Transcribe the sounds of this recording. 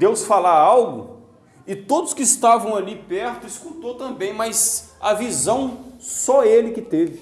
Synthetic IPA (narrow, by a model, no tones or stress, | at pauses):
d̪ewsfalaawɡʊ̰ | ɪt̪od̪ʊskɪːst̪avɐ̃w̃alipɛɾt̪ʊɪskut̪ot̪ɐ̃bẽj̃majz | ɐvizɐ̃w̃sɔelɪkɪt̪evɪ